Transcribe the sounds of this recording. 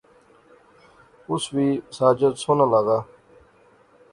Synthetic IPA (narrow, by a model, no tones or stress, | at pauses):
ʊswiːsaːd͡ʒət̪soːnalaɡaː